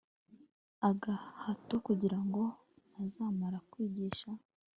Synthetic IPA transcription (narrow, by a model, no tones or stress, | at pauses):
aɡahatokuɟiɾaŋɡo̞ | azaːmaɾakwiːɟiːʃa